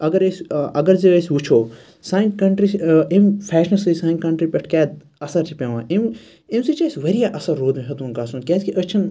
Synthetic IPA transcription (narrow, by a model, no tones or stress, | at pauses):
ɐɡɐɾəsɐɡɐɾzeəsʲut͡ʃʰoː | sãːʈkɐɳʈɾisempʰɛːʃɐnsisãːkɐɳʈɾipʲeʈʰkʲaːd̪̚ | ɐsɐɾt͡ʃʰipẽʋã̰ːʔim | imsit͡ʃaːsʋɐɾijaʔɐsɐɾːoːd̪mĩɦɐt̪unkaːsunkʲeːskiʔɐt͡ʃʰin